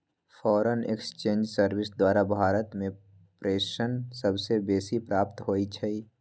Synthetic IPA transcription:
fʰɔːɾənḛkst͡ʃẽːnd͡ʒsəɾwɪsd̪waːɾabʱaːɾət̪mẽ | pɾeːʃənsəbsebeːsipɾaːpt̪ɦoːit͡ʃʰɛi

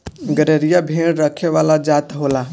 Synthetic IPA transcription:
ɡəɾeɾijabʱeɽɾəkʰeʋalad͡ʒat̪ɦola

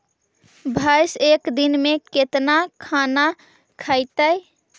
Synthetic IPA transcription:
bʱəjsekd̪inmeket̪nakʰana | kʰəjt̪əj

